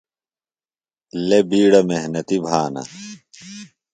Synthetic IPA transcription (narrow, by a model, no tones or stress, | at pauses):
lebiːɽɐmeɦnɐt̪ibʱaːnɐ̰